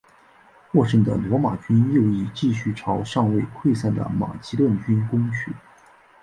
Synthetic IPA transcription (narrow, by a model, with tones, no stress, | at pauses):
xwɔ˥˧ʂə˥˩ŋd̪ə̰˩lwɔ˧˥ma̰˨˩t͡ɕy˥njo˥˧ʊi˥˩t͡ɕi˥˧ɕy˥˩ʈ͡ʂʰɑ˧˥ʊʂɑ˥˧ŋwe˥˧ɪkʰwe˥˧ɪsa˥˩nd̪ə̰˩ma̰˨˩t͡ɕi˧˥lwə˥˩nt͡ɕy˥nkʊ˥ŋt͡ɕʰy˥˩˦